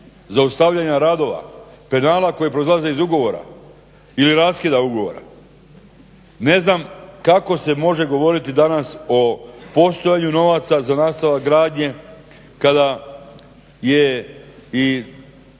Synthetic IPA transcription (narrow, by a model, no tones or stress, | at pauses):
zaust̪aʋʎaɲaɾad̪o̞ʋa̰ | pe̞naːlako̞jipɾoizlˠaze̞izuɡo̞ʋo̞ɾa̰ | iliɾaskʲid̪auɡo̞ʋoɾa̰ | ne̞znamkako̞se̞mo̞ʒe̞ɡo̞ʋo̞ɾit̪id̪anaso̞po̞st̪o̞jaɲuno̞ʋat̪sazanaːst̪aʋaɡɾaːd̪ɲe̞ | kad̪a | je | i